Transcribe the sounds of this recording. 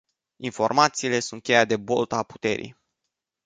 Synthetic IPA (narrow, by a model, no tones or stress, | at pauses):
info̞rmat̪siːle̞sunt̪̚kʲejat̪̚d̪e̞bo̞lt̪apu̥t̪e̞̰ɾḭj